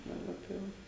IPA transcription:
dɐˈbɐ tɐɪ ˈʋɐ

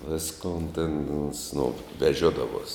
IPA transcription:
ˈʋʲɪskoːn tʲɛn oːns noː ʋʲɛˈʒʲoːdɐʋuɔs

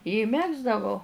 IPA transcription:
ɪ ˈmʲæːɡzdɐʋɐʊ

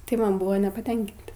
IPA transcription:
tɐɪ ˈmɐn ˈbʊʋoː nʲɛpɐˈtʲɛŋʲkʲɪnʲtʲɪ

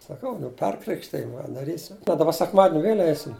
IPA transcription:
sɐˈkɐʊ nʊ ˈpʲɛrkrʲɪkʃʲtʲɪj dɐˈrʲiːsʲɪm bʲɛt dɐˈbɐ sʲɛkˈmɑːdʲɪnʲ ˈʋʲeːlʲ ˈɛɪsʲɪm

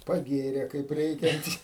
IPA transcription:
pɐˈɡʲeːrʲeː kɐɪp ˈrʲɛɪkʲɛnʲtʲ

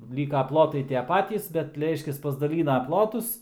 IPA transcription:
ˈlʲiːkɐ ˈplˠoːtɐɪ ˈtʲiɛ ˈpɑːtʲiːs bʲɛt ˈrʲɛɪʃʲkʲɛs pɐzdɐˈlʲiːnɐ ˈplˠoːtʊs

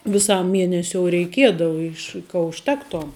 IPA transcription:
ʋʲɪˈsɐm ˈmʲiɛnʲɛsʲoːʊ rʲɛɪˈkʲiɛdɐʋɐ ˈɪʃ kɐ ʊʃʲˈtʲæːktoːm

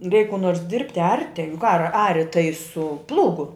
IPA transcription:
rʲɛɪk kuː noːrs ˈdʲɪrʲpʲtʲɪ ˈɐrʲtʲɪ jʊk ɐr ˈɑːrʲɪ tɐɪ sʊ ˈplˠuːɡʊ

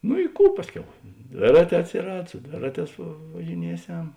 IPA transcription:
nʊ ɪ ˈkuː ˈpɑːsʲˌkʲɛʊ ˈdʲʋʲeːrɐˌtʲɛː ɐtʲsʲɪˈrɐt sʊ ˈdʲʋʲeːrɐˌtʲɛːs ʋɐʒʲɪˈnʲiɛˌsʲɛm

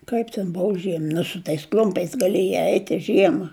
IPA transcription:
ˈkɐɪp tʲɛn ˈboːw ˈʒʲiɛm nʊ sʊ ˈtɐɪs ˈklʲʊmʲpʲɛɪs ɡɐˈlʲiɛjɛɪ ˈɛɪtʲ ɪ ˈʒʲiɛmɐ

